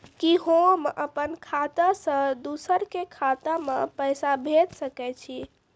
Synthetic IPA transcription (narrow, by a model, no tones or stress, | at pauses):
kiɦõməpənkʰat̪asə̃d̪usəɾkekʰat̪amepəjsabʱet̪səkɛt͡ʃʰi